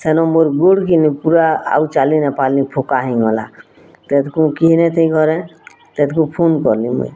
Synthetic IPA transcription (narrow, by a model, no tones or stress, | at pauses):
senɔmoɾɡoɽkinipuɾaa̰ut͡ʃalinepalĩpʰokaɦĩɡɔla̰ | t̪et̪kũkiɦnet̪ʰiɡʱɔɾɛ̃ | t̪et̪kũpʰonkɔɾlĩmḛ